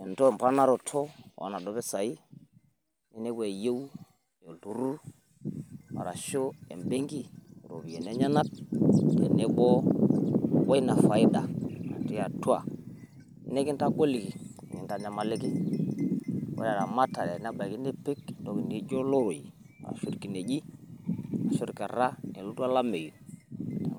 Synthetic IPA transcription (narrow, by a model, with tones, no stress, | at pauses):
e˨n˨to˦˨mpa˦na˦ɾo˨tʰo˦˨ʔa̰˨na˨do˨˦βe˦sa˨i˦ | ni˨ne˦ɡe˨je˦w | jo˨du˨ɾu˦ | wa̰˨ɾa˨ʃo˦ḛ˨mbe˦ŋɡi˦˨ɾo̰˨bi˨e˨ne˦ɲa˦na˦t̚jḛ˨ne˦ɡɔ˦ | wa˦i˦na˨fa˨i˦da˨a̰˨ti˦a˨tu˦a̰˨˦ | ne˦ki˦nta˦ɡo˦li˨ki˨ŋi˨nta˨ɲa˨ma˨li˦ki˦ | wḛ˦a˨ɾa˨ma˦ta˨ɾe˨n˦a˦ba˨ki˦ne˦pe˦kdo˨ɡi˨ndi˨˦d͡ʒo˦lo˦ɾo˨jḭ˨ | a̰˨ɾa̰˨ʃu˦dki˨ne˨d͡ʒi˦ | a˨ʃo˦ɾka˨ɾa˦e˨lu˦tu˦a˦la˦me˨ju˨